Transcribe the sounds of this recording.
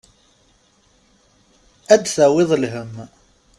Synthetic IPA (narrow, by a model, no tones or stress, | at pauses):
æd̪θæwɪðˤlɦəm